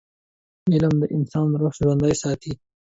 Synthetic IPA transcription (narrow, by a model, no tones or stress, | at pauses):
ɪləmd̪əʔɪnsɑːnɾoxʒwɐnd̪ajsɑːt̪ʰi